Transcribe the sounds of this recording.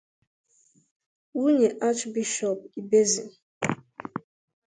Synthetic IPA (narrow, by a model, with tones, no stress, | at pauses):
wu˦ɲe˨ʔa˦t͡ʃbi˦ʃɔ˨p̚i˨be˦zḭ˨